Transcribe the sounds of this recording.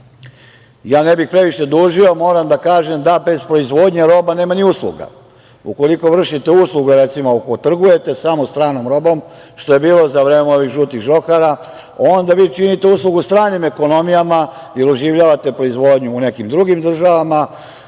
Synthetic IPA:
jaːnebixpɾe̞ʋiʃe̞d̪uːʒio̞mo̞ːɾamd̪akaːʒe̞md̪abe̞zpɾo̞izʋo̞ːd̪ɲeɾo̞bane̞ːmaniuslˠṵɡa̰ | ṵko̞liko̞ʋr̩ʃit̪euslˠuɡeɾet̪simookot̪r̩ɡuje̞t̪e̞samost̪ɾaːnomɾo̞bo̞mʃt̪oje̞biːlo̞zaʋɾeːmeo̞ʋiɣʒuːt̪iɣʒo̞kaɾa | o̞nd̪aʋiːt͡ʃinit̪e̞uslˠuɡust̪ɾaːnime̞ko̞no̞mijama | jeɾuʒiʋʎaːʋat̪e̞pɾo̞izʋo̞ːd̪ɲuːne̞kimd̪ɾuɡimd̪r̩ʒaʋama

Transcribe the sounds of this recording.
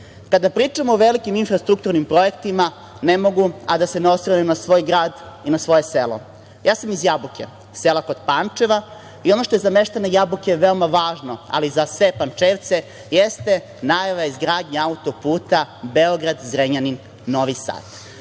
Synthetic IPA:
kad̪apɾiːt͡ʂamoːʋelikiminfɾast̪ɾuk̚t̪uɾnimpɾo̞je̞kt̪ima | nemo̞ɡuad̪ase̞neosɾanenasʋo̞ːjɡɾaːd̪ | inasʋo̞je̞selo̞̰ | jaːsamizjabukḛ | selako̞d̪̥paːnt͡ʂe̞ʋa | io̞noʃt̪oezameʃt̪anajabukeʋeomaʋaːʒno̞a̰lizasʋe̞pant͡ʂeːʋt̪se̞ | jest̪e̞ | najaʋaeizɡɾaːd̪ɲaaut̪o̞puːt̪abeoɡɾad̪zɾeɲaninː | o̞ʋisa̰ːd̪̥

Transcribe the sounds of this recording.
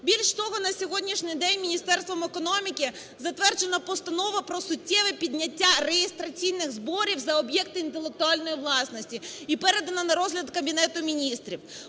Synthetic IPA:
bʲilʲʃt̪ɔɦɔnɐsʲɔɦɔdʲnʲiʃnʲɪjd̪ɛnʲmʲinʲist̪ɛrst̪ʋɐmekɔnɔmʲikɪ | zɐt̪ʋɛrd͡ʒenɐpɔst̪ɐnɔʋɐpɾɔsʊtʲːɛʋɛpʲid̪ʲnʲɐtʲːaɾejest̪ɾɐt͡s̪ʲijnɪxzbɔɾʲiwzɐɔbjɛkt̪ɪint̪elˠek̚t̪ʊɑlʲnɔjiʋlˠɑsnɔsʲtʲiipɛɾed̪ɐnɐnɐɾɔzɦlʲɐd̪kɐbʲinɛt̪ʊmʲinʲist̪ɾʲiw

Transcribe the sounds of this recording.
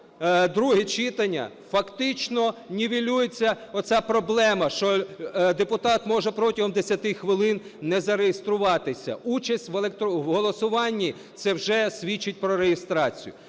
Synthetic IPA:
d̪ɾuɦit͡ʃɪt̪ɐnʲːɐ̰ | fɐkt̪ɪt͡ʃnɔnʲiʋʲilʲujet͡sʲːɐɔsʲapɾɔblˠɛmɐʃt͡ʃɔd̪epʊt̪ɑt̪mɔʒɛpɾɔtʲɐɦɔmd̪esʲɐt̪ɪxʋɪlˠɪnnɛzɐɾejest̪ɾʊʋɑt̪ɪsʲɐ̰ut͡ʃɐsʲtʲʋelˠekt̪ʋɦɔlˠɔsʊʋɑnʲːi | t̪sɛwʒɛsʲʋʲit͡ʃːɪt̚ʲpɾɔɾejɪst̪ɾɑt͡sʲḭjʊ̰

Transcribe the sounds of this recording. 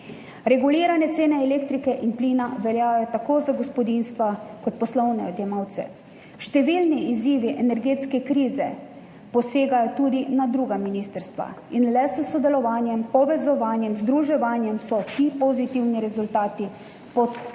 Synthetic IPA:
ɾɛɡuliːɾanɛt̪seːnɛɛleːkt̪ɾikɛʔinpliːnaʋɛljaːjɔt̪akoːzaɡɔspɔd̪inst̪ʋakɔt̪̚pɔslɔwnɛɔd̪jɛmawt̪sɛ̰ | ʃt̪ɛʋilniiziːʋiʔɛnɛɾɡeːt̪skɛkɾiːzɛ | pɔseːɡajɔt̪uːd̪inad̪ɾuːɡaminiːst̪əɾst̪ʋa̰inlɛsəsɔd̪ɛlɔʋaːnjɛmpɔʋɛzɔʋaːnjɛmzd̪ɾuʒɛʋaːnjɛmsɔt̪ipɔzit̪iwniɾɛzult̪aːt̪i | pɔt̪

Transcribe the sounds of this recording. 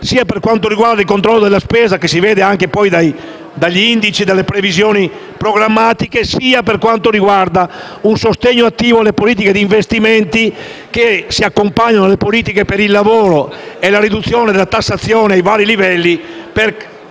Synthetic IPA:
siːaperkwant̪oɾiɡwaɾd̪ailkont̪ɾɔlːod̪elaspɛːzakesiveːd̪eaŋkepɔjd̪aj | d̪aʎːind̪it͡ʃid̪alːepɾevizjɔːni | pɾoɡɾamːaːt̪ikesiːaperkwant̪oɾiɡward̪a | unsost̪eɲːoat̪ːiːvoalːepoliːt̪̬iked̪iːɱvest̪iment̪i | kesiakːompaɲːanoalːepoliːt̪̬ikepeɾilːavoːɾoelaɾid̪ut̪sːjɔːned̪elat̪asːat̪sːjɔːneajvaːɾilivɛlːipeɾ

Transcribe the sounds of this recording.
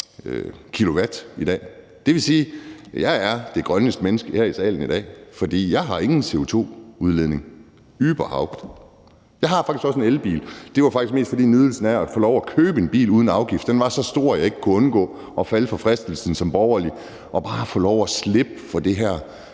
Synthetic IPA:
økʰilo̝ʋæd̥id̥ɛ̰ː | d̥e̝ʋe̝siːjɑ̈ɪæɐd̥e̝ɡ̥ʁɶnəsd̥menəsɡ̥əhæɐ̰isɛ̰ːln̩id̥ɛ̰ːfɒ̽d̥ḭːjɑ̈ɪɦɑ̈e̝ŋn̩se̝o̝t͡sʰo̝̰ːuð̞ˠleðˠne̝ŋ | yːb̥ɐhɑ̈ʊɡ̥d̥ | jɑ̈ɪhɑ̈fɑ̈ɡ̥isɡ̥ɒ̽s̬enelb̥ḭːld̥e̝ʋɑ̈fɑɡ̥isɡ̥me̝ːsd̥fɒd̥ḭːnyð̞ˠl̩sn̩ææ̥fɔːlɒʊækʰøːb̥əe̝nb̥ḭːluːð̞ˠn̩ɑ̈ʊɡ̥ifd̥enʋɑ̈sɒ̽sd̥o̝ɐ̰jɑ̈e̝ɡ̥ə̥kʰuɔ̽nɡ̥ɔ̰ː | ʔɒ̽fæləfɒ̽fʁɛsd̥l̩sn̩sɒ̽mb̥ɒʊɐli | ʔɒ̽b̥ɑ̈ːfɔːlɒʊæsle̝b̥əfɒ̽d̥e̝ɦæɐ̰

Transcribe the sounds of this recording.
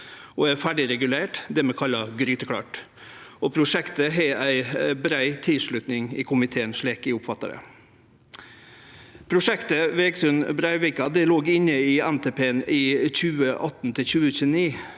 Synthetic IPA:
ɔːæɾfæɖɪɾɛɡʉleːʈd̪ɛmɛkʰɑlːɑɡɾyːt̪əkʰɽɑ̰ːʈ | opʰɾʊʂɛkt̪əɦɛæɪbɾæɪt̪ʰɪlʂɭʉt̪nɪŋɪːkʰʊmɪt̪ʰeːənsɭeːkɪʊpfɑt̪ːə̰ɾə̰ | pʰɾʊʂɛkt̪əʋeːɡsʉnbɾæɪʋɪkɑd̪ɛloːɡɪnːəɪːænt̪ʰeːpʰeːniːçʉːəʔɑt̪ːn̩t̪ʰɪlçʉːəçʉːniː

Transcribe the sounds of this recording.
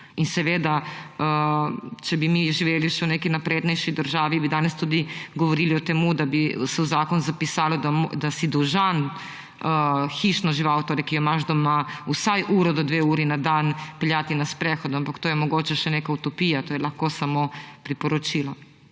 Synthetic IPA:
insɛʋeːd̪aə | t͡ʃɛbimiʒiʋeːliʃɛuneːkijnapɾeːd̪nɛjʃid̪əɾʒaːʋibid̪aːnest̪uːd̪iɡoʋoɾiːliot̪emud̪abisɛuzaːkonuzapisaːlod̪ad̪asid̪uʒan | əxiʃnoʒiʋawt̪oɾjɛkijomaʒd̪omausajʔuːɾɔd̪od̪ʋeːuːɾinad̪aːnpɛljaːt̪inaspɾɛxod̪oampakt̪oːjɛmoɡoːt͡ʃɛʃɛneːkaut̪opiːjat̪oːjɛlaxkosamopɾipoɾɔt͡ʃila

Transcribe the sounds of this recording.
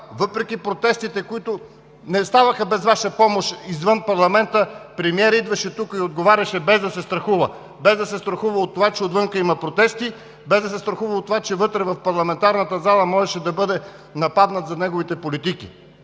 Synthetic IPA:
vɤpɾɛk̟ʲipɾot̪ɛst̪it̪ɛkoit̪o | nɛst̪avɐxəbɛzvaʃəpɔmoʃizvɤnpɐɾlˠɐmɛnt̪əpɾɛmiɛɾid̪vɐʃɛt̪ukiod̪̚ɡovaɾʲɐʃɛbɛzd̪ɐsɛst̪ɾɐxuvə | bɛzd̪ɐsɛst̪ɾɐxuvəot̪ːovat͡ʃɛod̪vɤŋkəimɐpɾot̪ɛst̪i | bɛzd̪ɐsɛst̪ɾɐxuvəot̪ːovat͡ʃɛvɤt̪ɾɛvɐfpɐɾlˠɐmɛnt̪aɾnət̪əzalˠɐmɔʒɛʃɛd̪ɐbɤd̪ɛ | nɐpad̪nət̪zɐnɛɡovit̪ɛpolit̪ik̟ḭ

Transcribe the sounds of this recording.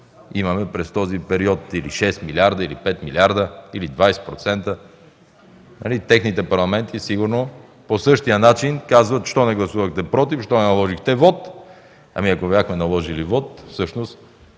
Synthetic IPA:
imɐmɛpɾɛst̪ɔzipɛɾiɔt̪ilḭʃɛst̪milʲaɾd̪əilipɛt̪milʲiaɾd̪əilid̪vajsɛ̥pɾot̪sɛnt̪ə | nɐ̰lit̪ɛxnit̪ɛpɐɾlˠɐmɛnt̪isiɡuɾno | posɤʃt̪ijənat͡ʃinkazvət̪ʃt̪ɔnɛɡlˠɐsuvəxt̪ɛpɾɔt̪ifʃt̪ɔnɛnɐlˠɔʒixt̪ɛvɔt̪ | ɐ̰miɐkobjaxmɛnɐlˠɔʒilivɔt̪fsɤʃnost̪

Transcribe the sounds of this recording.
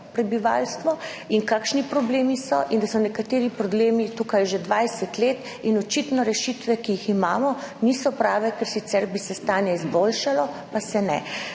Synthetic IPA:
pɾɛbiʋa̰lst̪ʋɔ | inkaːkʃnipɾɔbleːmisɔ̰ʔind̪asɔnɛkat̪eːɾipɾɔbleːmit̪uːkajʒed̪ʋajsɛt̪leːt̪ | inɔt͡ʃit̪nɔɾɛʃit̪ʋɛkijiximaːmɔniːsɔpɾaːʋɛkɛɾsit̪sɛɾbisɛst̪aːnjɛizbolʃalɔpasɛnɛ̰

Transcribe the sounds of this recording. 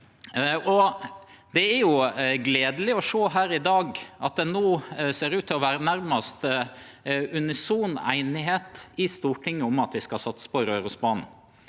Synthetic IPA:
ɔ | d̪ɛæɾjʊɡleːd̪əlɪɔʂoːɦæːɾɪd̪ɑːɡʔɑt̪̚d̪ɛnoːseːɾʉːt̪ʰːɪlɔʋæːɾənæɾmɑst̪ | ʉnɪsuːnæ̰ɪnɪɦeːt̪ɪst̪uːʈʰɪŋːəʊmɑt̪ʋɪskɑsɑt̪spɔɾøːɾəsbɑːnn̩

